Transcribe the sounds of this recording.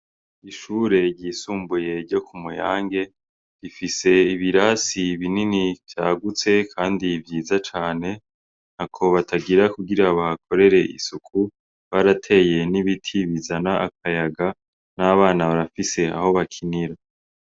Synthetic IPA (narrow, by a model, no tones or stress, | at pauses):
iʃuːɾe̞ɟiːsuːmbuje̞ɾɟo̞kʰumuja̰ːŋɡe̞ | ɾifise̞iβiɾasiβininivjaːɡut͡se̞kʰaːndivjiːzat͡ʃaːne̞ | nakʰo̞βataɡiɾakuɡiɾaβakʰo̞ɾe̞ɾe̞ʔḭsukʰu | βaɾatʰe̞je̞niβitʰiβizanaʔak̚ʰajaɡa | naβaːnaβaɾafise̞a̰ho̞βakʰiniɾa